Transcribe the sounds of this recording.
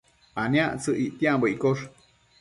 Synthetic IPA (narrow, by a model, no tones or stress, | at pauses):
anĩaʔt͡sɨʔiʔt̪iãmbəikoʂ